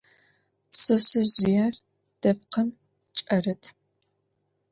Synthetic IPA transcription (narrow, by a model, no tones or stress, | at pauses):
sɐsɨʑɪjaːr | d̥ɐpqʰɐm | t͡ʃʼɐrɐtʰ